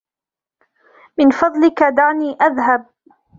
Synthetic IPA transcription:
mɪnfɑðˤlɪkad̪aʕniːʔaðɦab̚

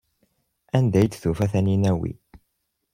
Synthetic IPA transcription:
ænd̪æjd̪θufæθæninæwḭ

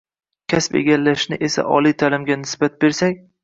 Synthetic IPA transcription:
kʲʰaspḛɡʲalːaʃnɪʔe̞sa̰ʔɒlijt̪ʰalɪmɡʲanɪsbat̪̚beɾsakʲ

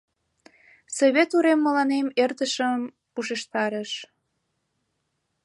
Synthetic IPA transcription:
soβet̪uɾemːəlɑnemert̪əʃəm | uʃeʃt̪ɑɾəʃ

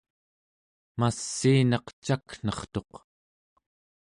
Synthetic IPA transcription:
masːiːnɑqt͡ʃakn̥ʌχt̪o̞q

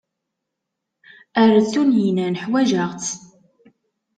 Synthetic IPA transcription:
æɾt͡sːunjinænəħwæʒəʁt͡sː

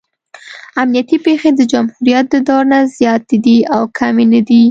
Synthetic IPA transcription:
amnijat̪ipexed̪əd͡ʒamhuɾijat̪̚d̪əd̪ɑɾnazjɑt̪ed̪iawkʰamenəd̪i

